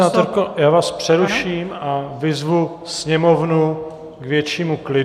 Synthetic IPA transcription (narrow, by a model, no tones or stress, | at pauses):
aːt̪oɾkojaːvaːspr̝̥ɛɾuʃiːmavɪzvu | sɲɛmo̞vnu | ɡvjɛt͡ʃiːmuklɪ